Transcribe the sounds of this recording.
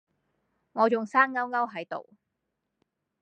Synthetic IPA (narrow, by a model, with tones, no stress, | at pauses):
ŋɔː˨˧t͡sʊ˨ŋsaː˥ŋŋɐ˥wŋɐ˥wɦɐ˨˥jt̪o̰˨w